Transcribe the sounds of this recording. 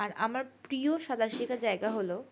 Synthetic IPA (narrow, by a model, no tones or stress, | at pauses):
aɾamaɾpɾioʃad̪ʱaɾʃikad͡ʑaeɡaɦolo